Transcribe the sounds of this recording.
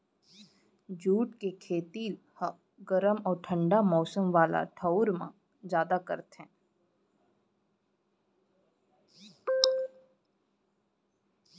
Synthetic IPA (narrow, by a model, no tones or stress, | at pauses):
d͡ʒuːʈkekʰeːt̪iː | h | ɡəɾəmɔːɾʈʰə̃ɳɖamɔːsəmʋaːla̰ʈʰəʊɾmã̰ | d͡ʒjaːd̪akə̰ɾt̪ɦɛ̃ː